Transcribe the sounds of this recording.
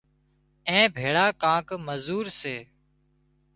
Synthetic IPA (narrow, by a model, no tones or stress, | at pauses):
ẽːbʱeːɽaːkãːkməzuːɾseː